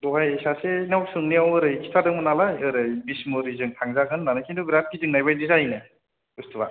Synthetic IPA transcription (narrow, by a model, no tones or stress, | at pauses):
dɔɦajsasenawsɯŋniawɯɾɯjkʰi̥tʰadɯŋmɯnalajɯɾɯjbismɯɾizɯŋtʰaŋzaɡɯnːanɯkʰinduɡɾap̚kidɯŋnajbajdizajnɯ | ɯstʰɯba̰